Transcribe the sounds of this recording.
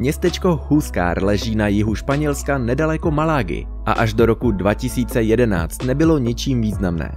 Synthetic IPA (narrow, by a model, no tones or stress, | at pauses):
mɲɛst̪ɛt͡ʃko̞huska̰ːɾlɛʒiːnajɪɦuʃpaɲɛlskanɛdalɛko̞malaːɡɪ̰ | ʔa̰ʔaʒdo̞ɾo̞kudvacɪsiːt͡sɛjɛdɛna̰ːt͡st̪nɛbɪlo̞ɲɪt͡ʃiːmviːznamnɛ̰ː